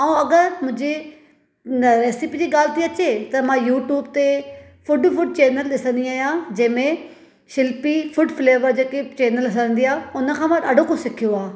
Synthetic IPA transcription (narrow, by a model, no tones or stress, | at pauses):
aːũɐɡəɾmʊ̃ɦɪ̃ɲd͡ʑe | ɾeːsipiːd͡ʑiːɠaːlt̪iɐt͡ɕet̪ɐmãjuːʈjuːbt̪e | fʊɖfʊɖ̚t͡ɕeːnəlɗɪsə̃nd̪iaːijãd͡ʑɐ̃ɦɪ̃mẽ | ʃɪlpifʊɖfleːʋəɾd͡ʑeːket͡ɕeːnəlɪsə̃ə̃nd̪iaːʊnə̆kʰãːmãɐɖʱokõsɪkʰijoaː